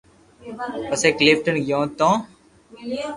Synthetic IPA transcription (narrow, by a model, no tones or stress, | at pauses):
pəseːkleːpʈənɡjõːt̪õː